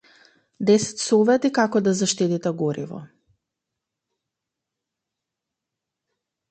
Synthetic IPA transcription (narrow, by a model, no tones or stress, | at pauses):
d̪ɛsɛ̥t̪sɔvɛt̪ikakɔd̪azaʃt̪it̪it̪ɛɡɔɾḭvɔ̰